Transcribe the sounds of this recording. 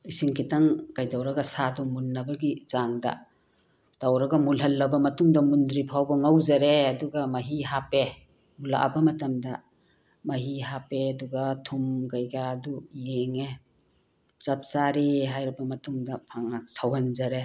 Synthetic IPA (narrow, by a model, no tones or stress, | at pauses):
isiŋkʰitɐŋkajdawɾɐɡɐsatʰumulnɐbɐɡit͡ʃaŋdɐ̰ | tawɾɐɡɐmulɦɐlːɐbɐmɐtuŋdɐmundɾipʰawbɐŋawzɐɾeɐduɡamaɦiɦape | mula̰ʔa̰bɐmɐtɐmdɐ | mɐɦiɦapeɐduɡatʰumɡajɡaɾadujeŋe | t͡ʃap̚saɾiɦajɾibɐmɐtuŋdɐpʰaŋasawhanzɐɾe